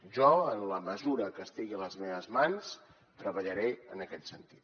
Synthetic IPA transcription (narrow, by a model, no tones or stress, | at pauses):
ʒɔənləməzuɾəkəst̪iɣiələzmeβəzmans | t̪ɾəβəʎəɾeənəkɛt̪sənt̪i̥t̪̚